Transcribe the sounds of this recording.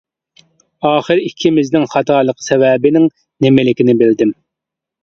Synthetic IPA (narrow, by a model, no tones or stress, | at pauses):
ɑːχəɾikʲʰːimɪznɪŋχɑt̪ʰɑːlˠəqʰə̥sɛvɛbɪnɪŋ | nɪmɪlɪkʲinɪbɪld̪ɪm